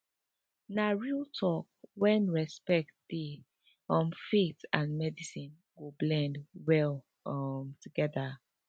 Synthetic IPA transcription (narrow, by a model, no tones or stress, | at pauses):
naɹiltʰɔk̚wɛ̃nɹɛspɛk̚tdi | ɔmfitãnmɛdisĩn | ɡoblɛ̃ndwɛl | ɔmtuɡɛða